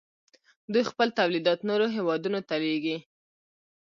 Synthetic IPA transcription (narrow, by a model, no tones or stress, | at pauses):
d̪ujxpəlt̪awlid̪ɑt̪noɾoɦewɑd̪unot̪aleɡi